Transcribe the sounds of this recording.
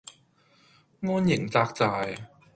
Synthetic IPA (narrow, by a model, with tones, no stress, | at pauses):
ŋɔː˥njɪ˨˩ŋt͡saː˧k̚t͡saː˧j